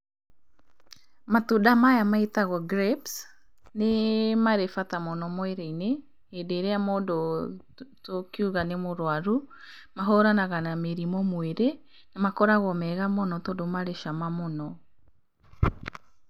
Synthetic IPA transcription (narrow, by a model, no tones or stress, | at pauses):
matudamajamaitaɣɔɡɾɛps | nemaɾefatamɔnɔmweɾeineː | deɾeamɔdo | tokiuɣanemoɾwaɾu | maɦɔɾanaɣanameɾimɔmweɾe | namakɔɾaɣɔmɛɣamɔnɔtodomaɾeʃamamɔnɔ